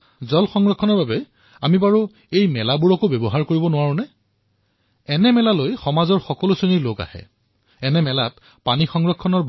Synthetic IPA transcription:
zɔlxɔŋɹɔkʰːɔnɔɹbabɛ | amibaɹu | ejmɛlabuɹɔkobɛbɔɦaɹkoɹibɔnʊwaɹũnɛ | ɛnɛmɛlalojxɔmazɔɹxɔkɔlʊsoniloka̰hɛ̰ | ɛnɛmɛlat | panixɔŋɹɔkʰːɔnɔɹ

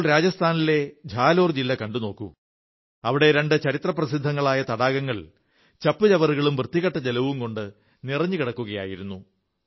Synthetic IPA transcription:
ɭɾaːd͡ʑɐst̪ʰaːnile̞d͡ʑʱaːlo̞ːrd͡ʑilːɐkɐɳɖuno̞ːkːṵ | ɐʋiɽe̞ɾe̞ɳɖɨt͡ɕɐɾit̪rɐprɐsid̪ʱːɐŋːɐɭaːjɐt̪ɐɽaːɣɐŋːɐɭ | t͡ɕɐpːɨd͡ʑɐʋɐɾuɣɐɭumʋrɨt̪ːiɣɐʈːɐd͡ʑelɐʋumko̞ɳɖɨ | nirɐɲːukiɽɐkːuɣɐja̰ːjiɾunːu

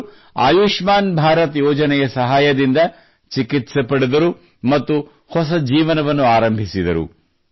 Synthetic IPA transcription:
a̰ːjuːʂmaːnbʱaːɾɐt̪jɔːd͡ʒɐnɛjɐsɐɦaːjɐd̪ind̪ɐ | t͡ʃikit̪sɐpɐɽed̪ɐɾu | mɐt̪ːu | hɔs̬ɐd͡ʒiːʋɐnɐʋɐnːuaːɾɐmbʱisid̪ɐ̰ɾṵ

